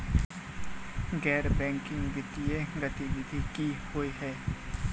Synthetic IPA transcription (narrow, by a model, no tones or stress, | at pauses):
ɡɛːɾbɛ̃ːŋkɪ̃ŋɡʋɪt̪ijeɡət̪iʋɪd̪ʱikihoːiɦɛː